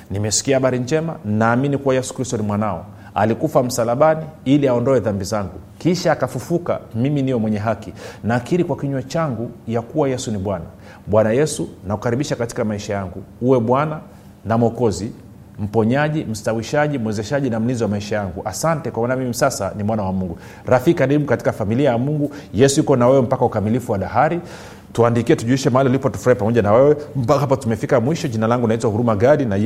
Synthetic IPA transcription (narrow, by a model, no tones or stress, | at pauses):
nimɛsi̥kiahaɓaɾind͡ʒɛmanaːminikuwajɛsu̥kɾistɔnimwanaɔ̰ | a̰likufam̩salaɓaniiliaɔndɔɛðambizaŋɡukiʃaːkafufuka̰miminijɔmwɛɲɛɦakinaːkiɾikwakiɲwɛt͡ʃaŋɡujakuwajɛsuniɓwana | ɓwanajɛsunakukaɾiɓiʃakati̥kamaiʃajaŋɡuuwɛɓwana | namɔkɔzi | m̩pɔɲaʄim̩stawiʃaʄimwɛzɛʃaʄinam̩linziwamaiʃajaŋɡuʔasantɛkwamanamimisasanimwanawamuŋɡu | ɾafikikaɾiɓukati̥kafamiliajamuŋɡujɛsuikɔnawɛwɛm̩pakaukamilifuwaɗaɦaɾi | tuandikiɛtuʄuiʃɛmaalilipɔtu̥fuɾaipamɔʄanawɛwɛm̩paapatumɛfikamwiʃɔʄinalaŋɡunaitwahuɾumaɡaɗina